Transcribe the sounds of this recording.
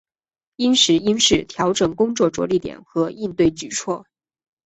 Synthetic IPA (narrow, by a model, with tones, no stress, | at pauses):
i˥nʂɻ̩˧˥i˥nʂɻ̩˥˩t̪ʰjɑ˧˥ʊʈ͡ʂɤ˨˩ŋkʊ˥ŋt͡swɔ˥˩ʈ͡ʂwɔ̰˧˥li˥˩t̪jɛ̰˨˩˦nxɤ˧˥i˥˧nt̪we˥˩ɪt͡ɕy˨˩t͡sʰwɔ˥˩